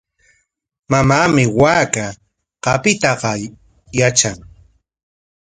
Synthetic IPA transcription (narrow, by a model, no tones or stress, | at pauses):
mamaːmɪwaːka | qɑpɪt̪ɑqɑ | jat͡ʃaŋ